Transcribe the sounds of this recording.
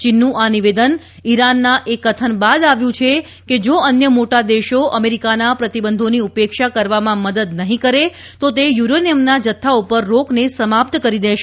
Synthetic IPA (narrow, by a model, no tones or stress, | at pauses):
t͡ʃinːũʔaniʋed̪ən | iɾanːaʔekːət̪ʰənbad̪aʋjũt͡ʃʰe | ked͡ʒoənjəmoʈad̪eʃoəmeɾikanapɾət̪ibənd̪ʱoniupekʃakəɾʋamãməd̪əd̪nəɦĩkəɾe | t̪ot̪ejuɾoniəmnad͡ʒət̪ʰːaupəɾːoknesəmap̚t̪kəɾid̪eʃe